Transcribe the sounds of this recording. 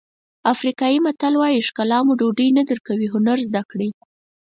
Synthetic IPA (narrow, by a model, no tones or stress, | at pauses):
afɾikɑjimat̪alwɑjiʂkalɑmuɖoɖəjnad̪əɾkawiɦʊnaɾzd̪akɽi